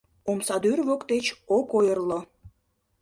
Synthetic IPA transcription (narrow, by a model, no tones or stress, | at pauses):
omsɑd̪yrβokt̪et͡ɕokojərlo